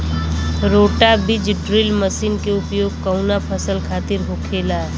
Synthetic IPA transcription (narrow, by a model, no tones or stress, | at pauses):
ɾoːʈabɪd͡ʒɖɾɪlməsiːnkeʊpjoːɡ̚kəʊnapʰəsəlkʰaːt̪ɪɾɦokʰeːla